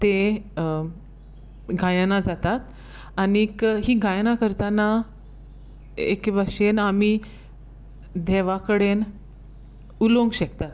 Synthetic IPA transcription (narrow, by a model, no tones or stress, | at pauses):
t̪e | ɡʱajanad͡zat̪at̪ | anikɦiːɡʱajnakəɾt̪ana | ḛkbaɕenami | d̪ʱɛʋakəɽen | ulõŋɡɕək̚t̪at̪